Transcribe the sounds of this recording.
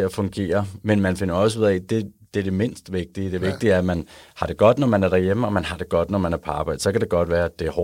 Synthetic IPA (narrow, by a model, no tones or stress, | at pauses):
eæfɔ̽ŋɡ̥e̝̰ːɐmenmænfe̝nɐɒ̽səuð̰ˠɛd̥e̝d̥eæɐd̥eme̝n̰sd̥ʋe̝ɡ̥̚d̥iəd̥e̝ʋe̝ɡ̥̚d̥iæɐmænhɑ̈ɾ̥e̝ɡ̥ɒ̽d̥nɒmænæɐɾ̥æjeməɒ̽mænɦɑ̈d̥e̝ɡ̥ɒ̽d̥nɒmænæɐpʰɑ̈ːb̥æð̩ˠsɒ̽kʰæɾ̥e̝ɡ̥ɒ̽d̥ʋæːɐæd̥e̝æɐhɒ